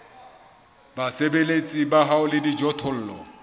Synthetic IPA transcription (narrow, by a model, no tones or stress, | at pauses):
basebelet͡sʼibaɦaʊlɪdid͡ʒɔtʰɔl̩ːlɔ̰